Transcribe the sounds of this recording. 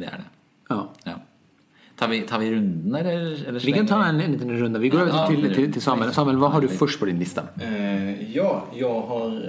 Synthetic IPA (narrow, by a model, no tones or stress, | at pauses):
d̪ɛ̰æ̰ɖɛ̰ | jɑːj | t̪ʰɑːɾʋɪt̪ʰɑːɾʋɪɾʉnd̪n̩ɛlːəɛlːəʋɪkɑnt̪ʰɑːɛnnliːt̪ənɾʉnd̪ɑʋɪɡoːɾøːʋət̪ʰɪlʰɪt̪ʰɪlsɑmɛlsɑːmɛləʋɑːɦɑɖʉfœʂʈpʰɔd̪ɪnlɪst̪ɑ̰ | jɑːjaɦɑɾ